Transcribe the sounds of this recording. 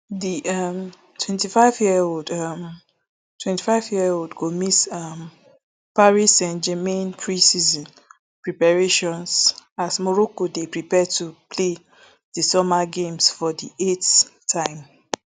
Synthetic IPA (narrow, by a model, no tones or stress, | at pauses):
diʔam | tʰwɛ̃ntifaɪvjiɛodam | tʰwɛ̃nti̥faɪvjiodɡomisam | paɹisɛ̃nd͡ʒɛmẽnpʰɹĩsizɔ̃n | pɹipaɹeʃɔ̃nsasmɔɹɔkodepɹipɛtupʰle | d̥isɔmaɡẽmsfɔdiʔettʰãɪ̃m